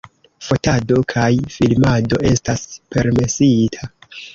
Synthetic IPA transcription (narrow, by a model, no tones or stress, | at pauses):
fo̞tado̞kʰajfilmado̞e̞staspe̞ɾme̞sitʰa